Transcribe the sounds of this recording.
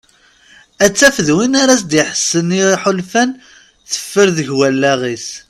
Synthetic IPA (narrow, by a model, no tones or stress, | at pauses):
æt͡sːæfəðwinaɾas̬d̪jiħə̥sːəniħʊlfæn | θə̥fːəɾðəʝwælːæʁis